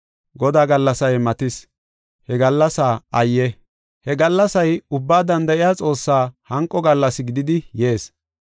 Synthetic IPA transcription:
ɡɔd̪aːɡɐlːɐsɐjmɐt̪ɪs | hɛɡɐlːɐsaːɐjːɛ | hɛɡɐlːɐsɐjʊbːaːd̪ɐnd̪ɐʔɪjaːt͡sʼo̞ːsːaːhɐŋkʼːɔɡɐlːɐsɪɡɪd̪ɪd̪ɪje̞ːs

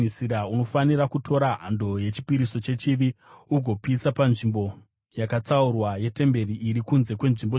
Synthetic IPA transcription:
isiɾauno̞fanirakutʰo̞ɾaɦando̞je̞t͡ʃi̥piɾiso̞t͡ʃe̞t͡ʃiʋiuɡʱo̞pisapanʐimbo̞ | jakat͡saurwaje̞te̞mbe̞riiɾikunze̞kwe̞nʐimbo

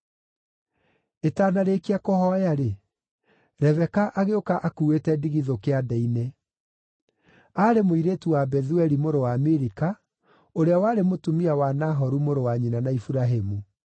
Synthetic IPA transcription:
etaːnaɾekiakɔhɔjaɾe | ɾɛvɛkaʔaɣeokaʔakuwetɛdiɣiðokeadɛine | aɾemoiɾetuwabɛðuɛɾimoɾowameɾika | oɾeawaːɾemotumiawanaɦɔɾumoɾowaɲinanaifuɾaɦemu

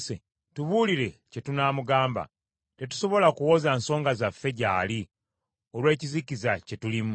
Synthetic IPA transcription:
se | tuβuːliɾe̞ce̞tunaːmuɡaːmba̰ | te̞tu̥so̞βo̞lakuwo̞ːzaːnso̞ːŋɡazafːe̞ɟaːli | o̞lwe̞ːcizikizace̞tulim

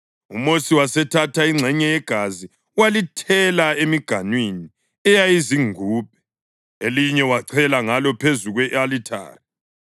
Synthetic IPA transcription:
umosiwasɛtʰatʰaiŋ͡ǀʱɛɲɛjɛɡ̥ʱazi | walitʰɛlaemiɡ̥ʱanwini | ɛjajiziŋuːp̚ɛ̥ | eliɲɛwaǀʰɛlaŋalɔpʰezuɣwɛʔalitʰa̰ːri

